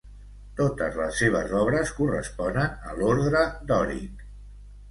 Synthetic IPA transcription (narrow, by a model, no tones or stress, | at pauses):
t̪ot̪əzləsːeβ̞ə̰zɔβɾəskurə̰spɔnənəloɾðɾəd̪ɔɾḭk